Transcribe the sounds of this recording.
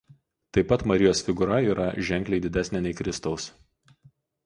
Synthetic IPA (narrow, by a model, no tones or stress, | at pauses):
t̪ɐɪpːɐt̪mɐɾʲɪjoːsfʲɪɡʊɾɐiːɾɐʒʲɛŋʲklʲɛɪd̪ʲɪd̪ʲæsʲnʲɛnʲɛɪkɾʲɪst̪ɒʊs